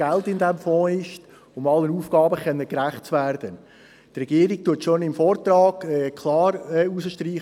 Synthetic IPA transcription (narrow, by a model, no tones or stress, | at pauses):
æltɪndɛmfɔ̃ːɪʃt | ʊmɑlənuːfɡ̥ɑːbəχœnːəkɾæχt̚t͡svæːɾd̥ə | trɛɡiːəɾɪk̚tuətʃonɪmfɔːɾtrɑːɡɛːkʰlɑːɾɛːusəʃtriː